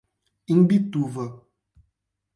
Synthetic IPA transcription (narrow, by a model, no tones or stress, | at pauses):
iŋ̩bituvə